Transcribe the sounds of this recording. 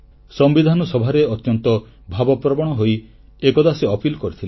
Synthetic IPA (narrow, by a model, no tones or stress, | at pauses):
sɔmbid̪ʱanɔsɔbʱaɾeɔt̪jɔnt̪ɔ | bʱabɔpɾɔbɔɽ̃ɔɦoj | ekɔd̪aseɔpilkɔɾit̪ʰil